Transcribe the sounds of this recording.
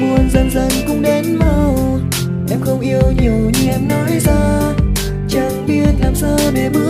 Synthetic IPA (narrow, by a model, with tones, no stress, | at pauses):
mu˨˩ənzə˧˩nzə˨˧˩nkʊ˧˥ŋ͡mɗe˨˦nmə˧˩w | ʔɛ˧mxə˧wŋ͡mʔi˧əwɲi˨˩əwɲɨ˧ʔɛ˧mnɔ˨˦jzaː˧ | t͡ɕə˨˩nɓi˧ənlaː˨˩msəː˧ɗe˨˩ɓɨ˦˥ə